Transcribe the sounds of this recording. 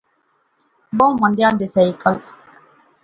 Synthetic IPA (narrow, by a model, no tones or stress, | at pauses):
bɔmãnd̪jand̪esɛikal